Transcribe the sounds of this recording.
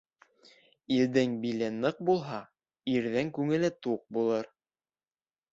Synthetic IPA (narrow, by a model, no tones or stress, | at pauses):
ild̪ɘŋbilɘnɤq̚bulˠɦɑ | iɾðæŋkʉŋɘ̆lɘt̪uq̚bulˠɤɾ